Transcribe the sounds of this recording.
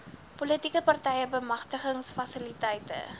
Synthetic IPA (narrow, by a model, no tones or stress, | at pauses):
politikəpɐrtɛjəbəmɐχtəχəŋsfɐsilitɛjtə̰